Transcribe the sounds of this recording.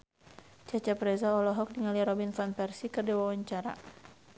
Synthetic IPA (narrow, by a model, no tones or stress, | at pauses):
t͡ʃat͡ʃapɾɛzaɔlɔɦɔk̚diŋaliaɾɔbinfanpɛrsikɨrd͡ʒawawaɲt͡ʃaɾa̰